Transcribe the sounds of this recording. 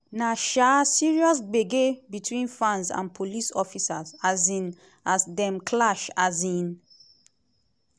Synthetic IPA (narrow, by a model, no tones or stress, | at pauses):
naʃasiɹiɔsɡ͡beɡebitʰwĩnfãnsã̰npʰolisɔfisazazĩn | asdɛ̃mkʰlaʃazĩn